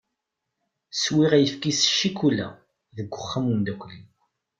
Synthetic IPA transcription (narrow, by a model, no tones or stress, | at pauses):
swiʁæjəfkisə̥ʃːikulːæ̰ | ðəɡʷːəχːamund̪ækʷlin